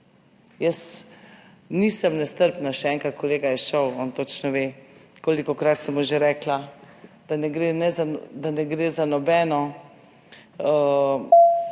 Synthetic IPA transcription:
jəs | niːsəmnɛst̪əɾpnaʃɛɛŋkɾat̪̚kɔleːɡajɛʃəwɔnt̪ot͡ʃnɔʋe | koːlikɔkɾat̪sɛmuʒeɾɛːkla | d̪̥anɛɡɾenɛzad̪anɛɡɾeːzanɔbɛːnɔ | ə

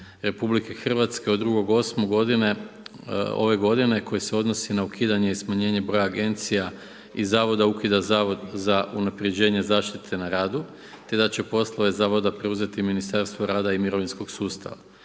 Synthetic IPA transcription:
ɾe̞publike̞xr̩ʋat̪skeo̞d̪ːɾuɡo̞ɡo̞smoɡo̞d̪ine̞ | o̞̰ʋe̞ɡo̞d̪ine̞ko̞jese̞o̞d̪no̞sinaukʰiːd̪aɲe̞ismaɲe̞ːɲe̞bɾo̞jaːɡe̞nt̪sija | izaːʋo̞d̪aukid̪azaːʋo̞d̪zaʔunapɾe̞d͡ʑe̞ːɲe̞zaːʃt̪it̪ʰe̞naɾaːd̪u | t̪e̞d̪at͡ɕe̞po̞slˠo̞ʋe̞zaːʋo̞d̪apɾe̞uze̞t̪iminist̪aɾst̪ʋoɾaːd̪aimiɾo̞ʋinsko̞ɡsuːst̪a̰ʋa

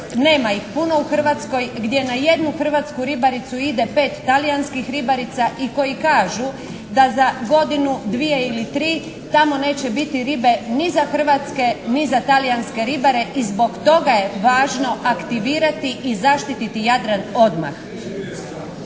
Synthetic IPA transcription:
neːmaixpuno̞uxr̩ʋat̪sko̞jɡd̪je̞naje̞d̪nuxr̩ʋat̪skuɾibaɾit̪suid̪e̞pe̞ːt̪ːalijanskixɾibaɾit̪saʔiko̞jikaːʒu | d̪azaɡo̞d̪inud̪ʋije̞ilit̪ɾiː | t̪amo̞ne̞ːt͡ɕe̞bit̪iɾibe̞nizaxər̩ʋat̪ske̞nizat̪alijanske̞ɾibaɾe̞ʔizbo̞kt̪o̞ɡaje̞ʋaːʒno̞ʔakt̪iʋiːɾat̪iʔizaʃt̪it̪it̪ijad̪ɾano̞d̪ma̰x

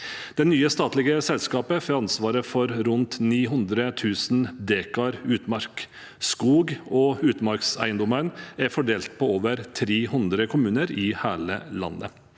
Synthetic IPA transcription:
d̪̥ɛnːyːəst̪ɑːt̪lɪɡəsɛlskɑːpəfɔɾɑnsʋɑːɾəfɔɾɾʉnt̪niːɦʉnd̪ɾət̪ʰʉːsnd̪eːkɑɾʉːt̪mɑɾk | skuːɡɔʉːt̪mɑɾksæ̰ɪənd̪ɔmənæɾfɔɖeːlt̪̚pʰɔoːʋəɾt̪ʰɾeːhʉnd̪ɾəkʰʊmʉːnəɾɪhæːɭə̰lɑ̰nːə̰

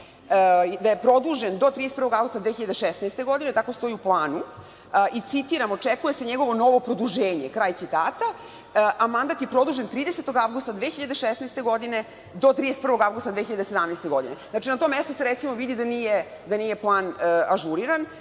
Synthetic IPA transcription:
d̪ajepɾo̞d̪uʒend̪o̞t̪ɾid̪eset̪prɾʋoɡavɡust̪ad̪ʋeːçiʎad̪eʃesnaest̪e̞ɡo̞d̪inet̪ako̞st̪o̞iuplˠaːnu | ʔit̪sit̪iɾamo̞t͡ʂekujese̞ɲeɡo̞ʋo̞no̞ʋo̞pɾod̪uʒeːɲe̞kɾaːj̪sit̪aːt̪a | ʔamand̪at̪je̞pɾo̞d̪uːʒent̪ɾiːd̪eset̪o̞ɡaʋɡust̪ad̪ʋeːxiʎad̪e̞ʃesneːst̪e̞ɡo̞d̪ine̞ | d̪o̞t̪ɾid̪eset̪prɾʋo̞ɡavɡust̪ad̪ʋeːçiʎad̪esed̪amnest̪e̞ɡo̞d̪ine̞znat͡ʃinat̪omːest̪oseɾet̪simoʋid̪id̪anije | d̪aniːje̞plˠaːnaʒuɾiɾan

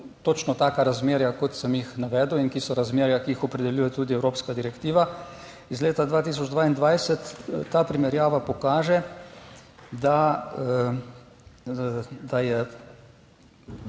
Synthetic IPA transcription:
t̪ot͡ʃnɔt̪aːkaɾazmeːɾjakɔt̪sɛmjixnaʋɛːd̪uwinkisɔɾazmeːɾjakiixɔpɾɛd̪ɛljuːjɛt̪uːd̪iɛwɾoːpskad̪iɾɛkt̪iːʋa | izleːt̪ad̪ʋaːt̪iːs̬ɔd͡ʒd̪ʋaːind̪ʋajsɛt̪ːaːpɾimɛɾjaːʋapɔkaːʒɛ | d̪a | d̪ajɛ

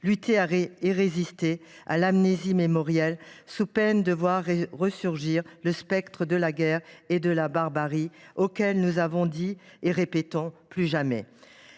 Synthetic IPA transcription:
lyt̪eaeʁezist̪ea̰lamnezimemɔʁjɛlsupɛnd̪əvwaʁʁəsyʁʒiʁləspɛkt̪χəd̪əlaɡʲɛʁed̪əlabaʁbaʁiokʲɛlnuzavɔ̃d̪ieʁepet̪ɔ̃plyʒamɛ̰

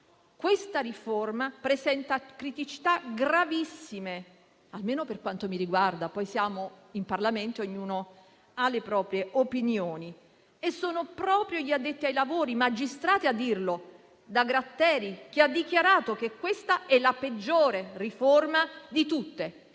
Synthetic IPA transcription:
kwest̪aɾiformapɾezɛnt̪akɾit̪it͡ʃi̥t̪aɡɾavisːime | almeːnoperkwant̪omiɾiɡward̪apɔjsjaːmoimparlament̪ooɲːuːno | alːepɾɔːpɾjeʔopinjoːni | esːoːnopɾɔːpɾjoʎiad̪ːet̪ːiajlavoːɾimad͡ʒːist̪ɾaːt̪ead̪ːirlo | d̪aɡɾat̪ːɛːɾik̟ead̪ːikjaɾaːt̪okekːwest̪aɛlaped͡ʒːoːɾeriformad̪it̪ut̪ːe

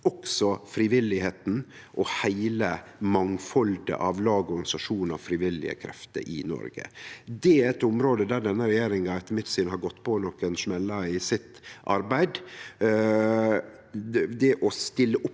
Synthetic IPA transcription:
ɔksɔfɾiːʋɪlːɪheːt̪n̩ | ʔɔhæɪləmɑŋfɔld̪ə̰ʔɑʋlɑːɡɔɾɡɑnɪsɑʂuːnɑ̰ʋfɾiʋɪlːɪ̰ə̰kʰɾɛ̰ft̪ə̰ɾʔɪ̰nɔ̰ɾɡə̰d̪ɛæɾɛt̪ʊmɾoːd̪əd̪æɾɖɛnːəɾɛjeːɾɪŋɑɛt̪mɪt̪sɪnhɑɾɡɔt̪ːpʰɔnɔkːənʂmɛlːɑɪsɪt̪ʔɑ̰ɾbæɪd̪ | d̪ɛʔɔst̪ɪlːəʔʊp

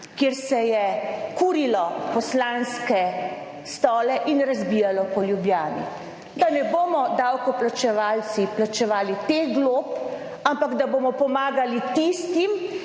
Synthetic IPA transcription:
kjeɾsɛjɛkuːɾilɔpɔslanskɛ | st̪ɔːlɛʔinɾazbijalɔpɔljubjaːnḭ | d̪anɛboːmɔd̪awkɔplat͡ʃɛʋaːlt̪siplat͡ʃɛʋaːlit̪eɡloːp | ampaɡd̪aboːmɔpɔmaːɡalit̪ist̪im

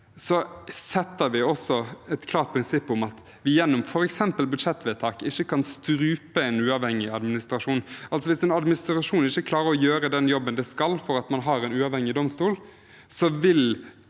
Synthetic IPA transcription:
sɔsɛt̪ːəɾʋɪɔsːɔɛt̪kʰlɑːɾt̪̚pʰɾɪnsɪpːʊmɑt̪ | ʋɪjɛnːʊmfɔɾɛksɛmpəlbʉd̪ʂɛt̪ːʋɛːt̪ʰɑːkɪçːəkʰɑnst̪ɾʉːpəɛnʉːɑʋhɛŋːɪɑd̪mɪnɪst̪ɾɑʂuːnʔɑlt̪sɔʋɪsɛnɑd̪mɪnɪst̪ɾɑʂuːnɪçːəkʰlɑːɾəɾɔjøːɾəd̪ɛnjɔbːənd̪ɛskɑlːfɔɾɑt̪mɑnɦɑɾɛnʉːɑʋhɛŋːɪd̪ɔmst̪uːl | sɔʋɪl

